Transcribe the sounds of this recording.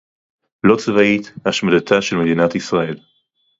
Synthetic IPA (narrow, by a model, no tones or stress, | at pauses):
lot͡svaithaʃmadat̪ʰaʃelmed̪inatisʁae̞l